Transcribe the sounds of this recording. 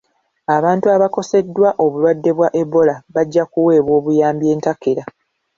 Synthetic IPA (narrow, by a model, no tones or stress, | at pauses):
aβaːntuaβako̞se̞dːwaʔo̞βulwadːe̞βwaʔe̞bːo̞laβaɟːakuwe̞ːβwo̞ːβujaːmbje̞ːntakeɾa